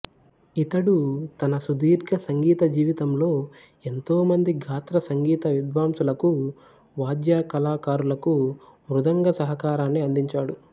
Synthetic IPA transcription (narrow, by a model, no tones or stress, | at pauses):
it̪ɐɽut̪ɐnɐsud̪iːɾɡɐsɐŋɡiːt̪ɐd͡ʒiːʋit̪ɐmlo̞ː | e̞nt̪o̞ːmɐnd̪iɡʱaːt̪ɾɐsɐŋɡiːt̪ɐʋid̪ʋaːmsulɐku | ʋaːd̪jaːkɐlaːkaːɾulɐkumɾud̪ɐŋɡɐsɐɦɐkaːɾaːnːiɐnd̪iɲt͡ʃaːɽu